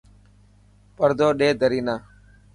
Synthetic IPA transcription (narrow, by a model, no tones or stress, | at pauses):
pəɾd̪oːɗeːd̪ʱəɾiːnaː